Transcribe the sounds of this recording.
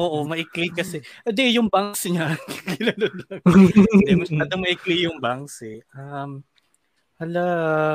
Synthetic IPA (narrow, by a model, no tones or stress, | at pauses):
ʔoːʔomɐʔɪklɪkɐsɛɛd̪ɛjʊŋbaŋsɲakɪnanɐd̪ɐk | mɐɐt̪omɐʔɪklɪjʊŋbaŋsɛʔam | ɐlɐ